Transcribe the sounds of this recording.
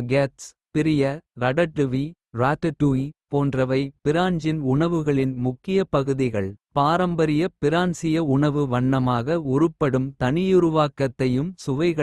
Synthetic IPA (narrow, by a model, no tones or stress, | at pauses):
ɡeːts | pɪɾɪjɐɾɐɽɐʈːɯʋi | ɾaːt̪ɐʈuipoːndrɐʋɐɪpɪɾaːɲd͡ʒɪnʊɳɐʋɯɣɐɭɪnmʊkːɪjɐpɐɣɯðɪɣɐɭpaːɾɐmbɐɾɪjɐpɪɾaːnsɪjɐʊɳɐʋɯʋɐɳːɐmaːɣɐʊɾɯpːɐɽɯmt̪ɐnɪjʊɾʊʋaːkːɐt̪ːɐjɯmsʊʋɐɪɣɐ